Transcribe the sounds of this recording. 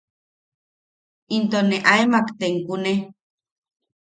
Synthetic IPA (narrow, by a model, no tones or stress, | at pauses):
int̪oneʔaemakt̪eŋkune